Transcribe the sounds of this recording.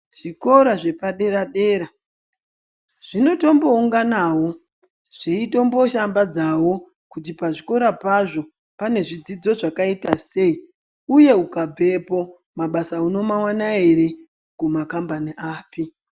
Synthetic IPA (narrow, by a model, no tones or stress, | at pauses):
ʐ̥iko̞ɾaʐe̞paɗe̞ɾaɗe̞ːɾa | ʐ̥ino̞to̞mbo̞uŋɡanaːwo̞ | ʐ̥eito̞mbo̞ʃambad͡zawo̞ | kut̬ipaʐiko̞ɾapaʐo̞ | pane̞ʐid͡zid͡zo̞ʐakaitase̞i | uje̞ukab͡ve̞po̞ | maɓasauno̞mawanaeɾe | kumakambaniʔaːpi